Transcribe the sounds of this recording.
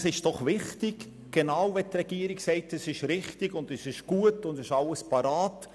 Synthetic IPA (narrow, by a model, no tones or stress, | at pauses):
sɪʃd̥ɔχʋɪχtɪɡ | ɡ̥enaʊvɛtrɛɡ̥iːəɾɪksɛɪtɛsɪʃɾɪχtɪɡʊndɛsɪʃɡ̥uətʊndɪʃɑləspɑɾaːt